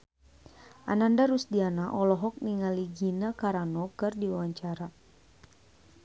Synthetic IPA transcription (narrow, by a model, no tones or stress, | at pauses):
ʔa̰nandaɾusdianaʔɔlɔɦɔk̚niŋaliɡinakaɾanɔkɨrdiwawaɲt͡ʃaɾa